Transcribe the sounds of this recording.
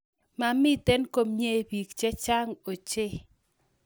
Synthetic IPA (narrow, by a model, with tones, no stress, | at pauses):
ma˨mɪ˦t̪e˦nko˦mɲe˦bi˨k̚t͡ʃɛ˦t͡ʃa˦ŋo˨t͡ʃe˦